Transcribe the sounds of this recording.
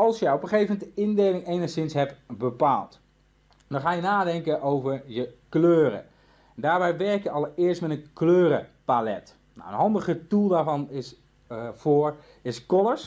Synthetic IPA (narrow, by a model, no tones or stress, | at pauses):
ɑlˠsjəɔpəχejfmɛntəɪndejlɪŋejnəχsɪnsɦɛpbəpaːlˠt | dɔnχaːjənaːdɛŋkənʔowvəɹjəkløːɾə̰ | daːɹbɛjʋɛɹkjəɑlˠɪəɹstmɛtənkløːɾəpalɛ̰t | na̰wənɦɑndəʁətulˠdaːɹvɑnɪs | v̥ʊːɹ | ɪskɔləs